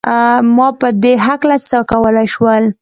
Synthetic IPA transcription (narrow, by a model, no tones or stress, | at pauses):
mɑpəd̪eɦaklat͡səkawəlajʃwəl